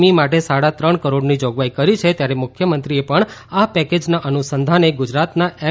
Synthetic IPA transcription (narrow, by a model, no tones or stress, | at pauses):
mimaʈesaɽat̪ɾəɳkəɾoɽnid͡ʒoɡʋaikəɾit͡ʃʰet̪jaɾemʊkʰjəmənt̪ɾiepəɳapɛked͡ʒnaʔənusənd̪ʱaneɡʊd͡ʒɾat̪naɛ